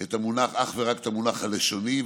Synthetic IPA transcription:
et̪amunaχaχveʁaket̪amunaχhaleʃo̞niv

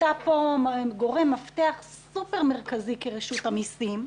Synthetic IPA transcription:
tapoɡo̞ʁe̞mːaft̪eaχsupeʁmeʁkazikeʁeʃutamisim

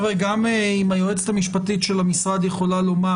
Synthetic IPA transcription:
veɡameimajoet͡se̥tamiʃpat̪itʃe̞lamisʁad̪jeχo̞lalo̞ma

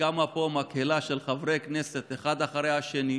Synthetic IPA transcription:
amapomakhelaʃelχavɾejkneset̪eχad̪aχaɾejaʃeni

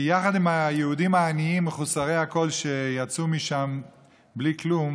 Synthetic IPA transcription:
jaχad̪imajeud̪imaːniimːeχusaʁejhako̞lʃejat͡sumiʃam | bliklum

